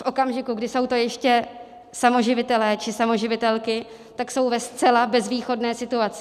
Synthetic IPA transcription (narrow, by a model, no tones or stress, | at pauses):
fʔo̞kamʒɪkuɡdɪso̞wt̪o̞jɛʃcɛ | samo̞ʒɪvɪt̪ɛlɛːt͡ʃɪsamo̞ʒɪvɪt̪ɛlkɪ | t̪akso̞wvɛst͡sɛlabɛzviːxo̞dnɛːsɪt̪uat͡sɪ̥